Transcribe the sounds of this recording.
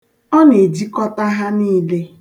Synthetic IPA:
ɔ˦ne˨d͡ʒi˦kɔ˦ta˦ɦa˦niː˦le˦

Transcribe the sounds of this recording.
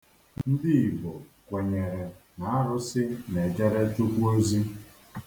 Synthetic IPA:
n̩˦dɪ˦i˨bo˨ | kʷe˨ɲe˨ɾe˨na˨˦a˦ɾʊ˦sɪ˦ne˨d͡ʒa˦ɾe˦tu˦kʷu˦o˦zi˦

